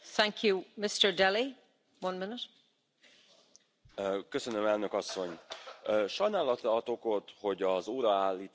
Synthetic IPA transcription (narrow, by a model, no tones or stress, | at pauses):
θæ̃ŋkʰjumɪstə˞dɛli | wʌ̃nmɪnɪt | køsø̞nømɛlnø̞kɒsːo̞ɲː | ʃɒjnaːlɒt̪rɒɒt̪oko̞t̪ho̞ɟɒzoːɾɒaːlːiːt̪